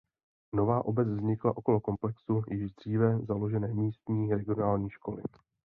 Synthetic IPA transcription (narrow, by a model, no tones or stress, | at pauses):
no̞vaːʔo̞bɛt͡svzɲɪkla̰ʔo̞ko̞lo̞ko̞mplɛksujɪʒdr̝̥iːvɛzalo̞ʒɛnɛːmiːst̪ɲiːɾɛɡɪonaːlɲiːʃko̞lɪ̰